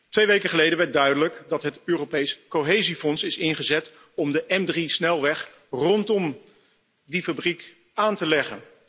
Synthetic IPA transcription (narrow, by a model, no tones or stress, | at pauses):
tʋejʋejkəχəlejdənʋɛɹt̚dœɥdələkdɑtɦətøːropejskoɦejzifɔnsɪsɪnχəzɛt | ɔmdəʔɛmdrisnɛlˠʋɛχ | rɔntɔm | difabrik | aːntəlɛχə̰n